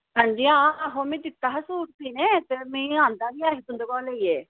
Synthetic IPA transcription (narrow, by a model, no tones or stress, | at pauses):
ɦãːɲd͡ʒiːãːəɦoːmɛ̃ːd̪ɪt̪ːaːɦsuːʈt̪iːnẽːt̪eːmɛ̃ːãːnd̪aːbiːaːɦet̪ʊnd̪əkɔːleːieː